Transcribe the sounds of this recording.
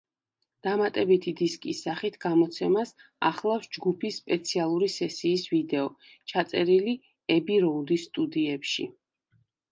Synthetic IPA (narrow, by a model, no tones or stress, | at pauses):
d̪̥amat̪ʼɛbit̪ʰid̪iskʼisːaχit̪ʰɡ̥amɔt̪sʰɛmasaχlˠafsd͡ʒɡupʰisːpʼɛt̪sʰialˠuɾisɛsiːsvid̪ɛɔ | t͡ʃʰat̪sʼɛɾili | ɛbiɾɔud̪isːt̪ʼud̪iɛpʃḭ